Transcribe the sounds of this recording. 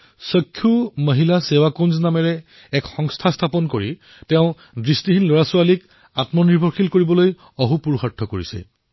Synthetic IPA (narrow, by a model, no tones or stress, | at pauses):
sɔkʰːjuməɦilasewakonznamɛɹɛ | ɛkxɔŋstʰast̪ʰapɔnkoɹi | tɛʊ̃ | dɹistiɦinloɹasualik | atmɔniɹbʱɔɹxilkoɹibɔloj | ɔɦupuɹuxatʰːɔkoɹisɛ̰